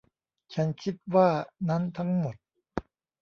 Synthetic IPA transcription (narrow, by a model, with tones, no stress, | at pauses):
t͡ɕʰa˦˥nkʰi˦˥t̪̚waː˥˩na˦˥nt̪ʰa˦˥ŋmo˨˩t̪̚